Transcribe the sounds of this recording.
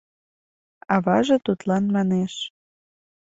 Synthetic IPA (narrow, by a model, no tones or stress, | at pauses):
ɑβɑʒɤ̆t̪ut̪lɑnmɑneʃ